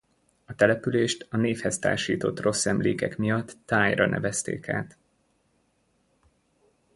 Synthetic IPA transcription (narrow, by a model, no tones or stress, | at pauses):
ɒt̪ɛlɛpyleːʃt̪ɒneːfhɛst̪a̰ːʃḭːt̪o̞t̪ro̞sːɛmleːkɛkmijɒt̪ːaːjrɒ̰nɛ̰vɛst̪ḛːka̰ːt̪